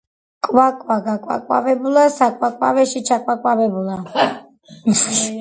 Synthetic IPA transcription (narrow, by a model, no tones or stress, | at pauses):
kʼwakʼwaɡakʼwa̰kʼwa̰vɛbulˠasakʼwakʼwa̰vɛʃit͡ʃʰakʼwakʼwavɛbula